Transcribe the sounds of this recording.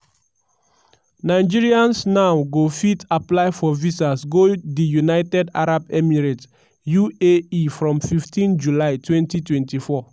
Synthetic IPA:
naɪd͡ʒiɹiãnsnawɡofitaplaɪfɔvisasɡodijunaɪtɛda̰ɹabɛmiɹet | jueifɹɔ̃mfiftĩnd͡ʒulaɪtwɛ̃ntitwɛ̃ntifɔ

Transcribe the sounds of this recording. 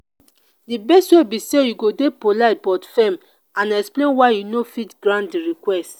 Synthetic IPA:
dibɛstwebisejuɡodepolaɪt̚bɔtfɛ̃m | ãnɛksplẽnwaɪjunofitɡɹãntdiɹikwɛst

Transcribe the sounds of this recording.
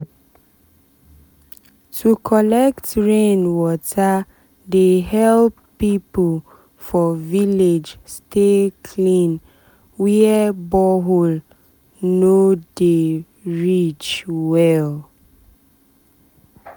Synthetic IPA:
tʰukʰɔlɛktɹẽnwɔtʰa | deɦɛlpːipol | fɔviled͡ʒstʰekʰlĩn | wiɛbɔɦol | node | ɹit͡ʃwɛl

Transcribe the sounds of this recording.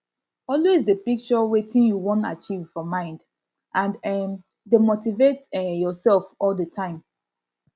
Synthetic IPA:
ɔlwezdəpik̚t͡ʃɔwetĩnjuwɔ̃nta̰t͡ʃivfɔmãɪ̃nd | ʔãnɛm | demotivetjɔsɛlfɔldətʰãɪ̃m

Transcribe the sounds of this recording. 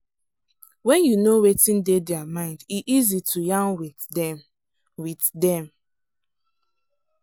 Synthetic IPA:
wɛ̃njunowetĩndedɛamãɪ̃ndiʔizitʰujãnwi | dɛ | witdɛ̃m

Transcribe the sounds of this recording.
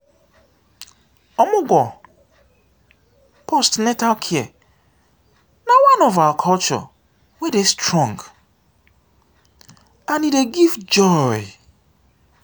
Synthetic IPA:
ɔmʊ̃ɡɔ | pʰostnɛtalkʰiɛ | nãwãnɔvakʰɔlt͡ʃɔ̰ | wɛdestʰɹɔ̃ŋɡ | ãnĩdeɡivd͡ʒɔɪ

